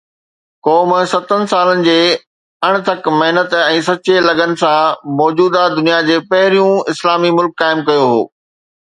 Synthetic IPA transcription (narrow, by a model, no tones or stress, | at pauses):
kɔːmsɐt̪ənɪ̆saːlənɪ̆d͡ʑeː | ɐɽ̃̆t̪ʰɐkmɐɦnət̪ɛ̃ːsɐt͡ɕelɐɡənɪ̆sãmɔːd͡ʑuːd̪ad̪ʊnijad͡ʑeːpɐɦɪɾijũɪslaːmimʊlkːaːɪmkɐjoɦo̰ː